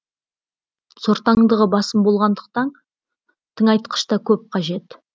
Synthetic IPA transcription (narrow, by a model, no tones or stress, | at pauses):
soɾt̪ɑəɴd̪əʁəbɑsəmbo̞lˠʁɑnd̪əq̚t̪ɑn | t̪ʰəŋɑjt̪qə̥ʃt̪ɑkʲʰɵp̚qʰɑʒe̞t̪